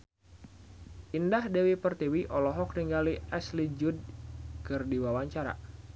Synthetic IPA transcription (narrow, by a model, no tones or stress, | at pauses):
ʔindahdɛwipərt̪iwiʔɔlɔɦɔk̚riŋɡaliɛslid͡ʒud̚kɨrdiwawaɲt͡ʃaɾa̰